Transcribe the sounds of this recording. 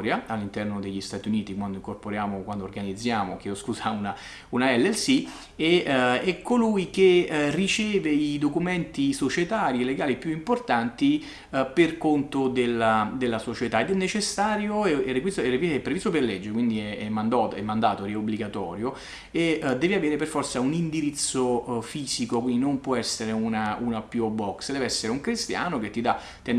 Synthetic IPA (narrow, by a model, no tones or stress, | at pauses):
ɾjaalːint̪ɛrnod̪eʎːist̪aːt̪iuniːt̪ikwand̪oiŋkorpoɾjaːmokwand̪oːrɡanid̪zːjaːmok̟eoskuzauna | unaɛlːɛlsi | eɛkʰːolujkerit͡ʃɛːveid̪okument̪isot͡ʃet̪aːɾjieleɡaːlipjuimport̪ant̪i | perkont̪od̪elːad̪elːasot͡ʃet̪aed̪ɛnːet͡ʃesːaːɾjoɛɛrːekwisɛreviɛpːɾevist̪operlɛd͡ʒːeɾkwind̪iɛɛmːand̪ɔt̪ɛ̰mːand̪aːt̪oɾiɛobːliɡat̪ɔ̰ːɾjo | ed̪ɛːviaveːɾeperfɔrt̪saunind̪iɾit̪sːofiːz̥ikokwind̪inompwɔɛsːeɾeunaunapjuobːɔksd̪ɛːveɛsːeɾeuŋkɾist̪ja̰ːnok̟et̪ːid̪a | t̪ːen